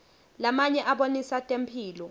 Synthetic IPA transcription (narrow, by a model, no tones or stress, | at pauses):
lamaɲɛʔaɓonisatʼempʰiːlɔ